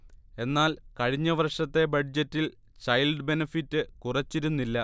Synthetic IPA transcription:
e̞nːaːlkɐɻiɲːɐʋɐrʂɐt̪ːe̞bɐɖd͡ʑɐtːil | ɕɐjlɖɨbe̞nɐfitːɨkurɐt͡ɕːiɾunːilːɐ

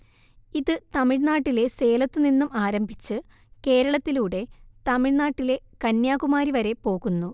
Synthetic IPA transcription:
iðɨt̪ɐmiɻnaːʈːile̞se̞ːlɐt̪ːɨninːumaːɾɐmbʱit͡ɕːɨ | ke̞ːɾɐɭɐt̪ːiluːɽe̞t̪ɐmiɻnaːʈːile̞ | kɐnjaːɣumaːɾiʋɐɾe̞po̞ːɣunːu

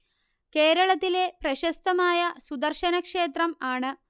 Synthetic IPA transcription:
ke̞ːɾɐɭɐt̪ːile̞prɐɕɐst̪ɐmaːjɐsud̪ɐrɕɐnɐkʂe̞ːt̪rɐmaːɳɨ

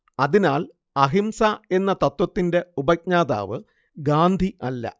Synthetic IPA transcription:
ɐðinaːl | ɐɦimsae̞nːɐt̪ɐt̪wɐt̪ːinde̞ubɐk̚ɲaːða̰ːʋɨ | ɡaːnd̪ʱiʔɐlːɐ̰

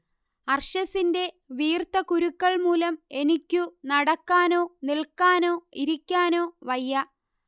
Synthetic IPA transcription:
ɐrʂɐsinde̞ | ʋiːrt̪ɐkuɾukːɐɭmuːlɐme̞nikʲːunɐɽɐkːaːno̞ːnilkːaːno̞ːiɾikʲːaːno̞ːʋɐjːɐ

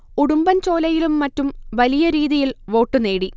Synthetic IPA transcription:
uɽumbɐnt͡ɕo̞ːlɐjilumːɐtːumʋɐlijɐɾiːðijilʋo̞ːʈːune̞ːɽi

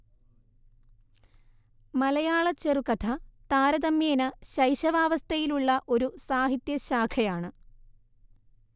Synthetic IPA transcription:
mɐlɐjaːɭɐt͡ɕːerukɐt̪ʰɐt̪aːɾɐðɐmjeːnɐɕɐjɕɐʋaːʋɐst̪ʰɐjiluɭːɐʔo̞ɾusaːɦit̪jɐɕaːkʰɐjaːɳɨ

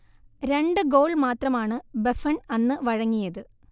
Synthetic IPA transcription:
ɾe̞ɳɖɨɡo̞ːɭmaːt̪rɐmaːɳɨbefɐɳɐnːɨʋɐɻɐŋːijɐðɨ

